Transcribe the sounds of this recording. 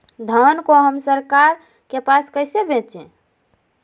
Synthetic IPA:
d̪ʱənkoɦəmsəɾkaɾ | kepaskəɪsebet̪t͡ʃʰɛ̃

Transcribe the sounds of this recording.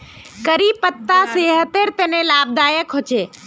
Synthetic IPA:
kəɾiːpət̪ːaseːɦət̪eɾt̪ənẽlaːb̚d̪aːjəkʰɦʊt͡ʃeː

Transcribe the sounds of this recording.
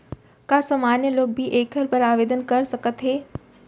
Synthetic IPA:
kaːsəmaːnjəloːɡ̚bʱiʔeːkʰəɾpɐɾaːʋeːd̪ənkɐɾsɐkət̪ɦeː

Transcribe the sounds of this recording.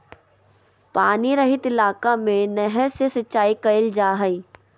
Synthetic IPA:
paːniɾɐɦɪt̪ɪlaːkamẽnɛɦɛɾsesɐtːʃaːikɐɪld͡ʒaːɦɐiː

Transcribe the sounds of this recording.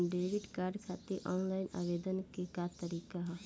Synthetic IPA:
ɖeːʋɪɖkaːɾɖkʰaːt̪eʔɔːnlaːɪna̰ːʋeːd̪ənkekat̪əɾiːkaɦa

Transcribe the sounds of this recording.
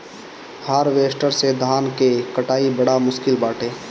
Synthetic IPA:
haːɾʋeːsʈəɾsed̪ʱaːnkekəʈaːibəɽamʊskɪlbaːʈeː

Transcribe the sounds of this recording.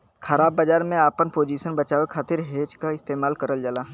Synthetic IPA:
xɐɾaːbːɐd͡ʒaːɾmẽaːpənpoːd͡ʒiːʃənbɐt͡ʃaːwekʰaːt̪ɪɾɦeːd͡ʒkaɪst̪eːmaːlkɐɾəld͡ʒəlaː

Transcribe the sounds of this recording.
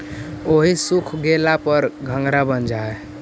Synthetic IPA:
oɦisukʰɡelapəɾɡʱəŋɡɾabənd͡ʒae

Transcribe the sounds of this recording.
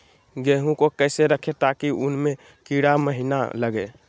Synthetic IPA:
ɡeɦũkokəjseɾəkʰet̪akiunme | kiɽaməɦina̰ləɡe

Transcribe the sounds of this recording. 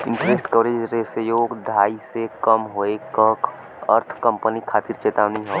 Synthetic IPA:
ɪ̃nʈɾesʈkəʋɾed͡ʒɾesəjoːɡd̪ʱaːisekəmɦoekək | ə̰ɾt̪ʰkə̃mpənikʰaːt̪iɾt͡ʃeːt̪aːʋniɦoː

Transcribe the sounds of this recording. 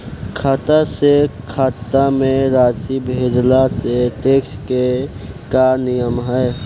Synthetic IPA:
kʰaːt̪asekʰaːt̪ːamẽɾaːsibʱeːd͡ʒlaseʈeːkske | kanijəmɦəɪ

